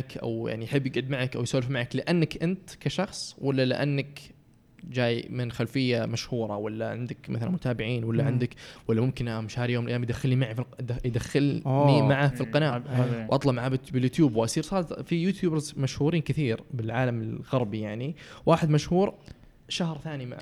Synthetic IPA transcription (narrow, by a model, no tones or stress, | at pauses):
kʔa̰wja̰ʕnijħɪbːɪɡʕʊd̪maʕakʔawjsaːlfmaʕaklɪʔanːakʔɪnt̪kaʃɑxsˤwalːalɪ̰ʔanːak | d͡ʒaːjmɪnxalfɪjːamaʃhuːɾˤɑwalːaʕɪnd̪akmaθala̰mʊt̪ʰaːbɪʕiːnwalːaʕɪnd̪akwalːamʊmkɪnʔamʃaːɾjoːmlʔjːamjd̪axːɪlnimaʕifd̪axːɪlimaʕafilqɑnaːwʔɑt̪ˤlɑʔmaʕab̪bɪljʊːt̪juːbwʔasˤiːɾsˤɑːɾˤfijuːt̪juːbɾzmaʃhuːɾiːnkɪθiːɾbɪlʕaːlamɪlɣɑɾˤbijaʕniwaːħɪd̪maʃhuːɾ | ʃahɾˤθaːnima̰ʕa̰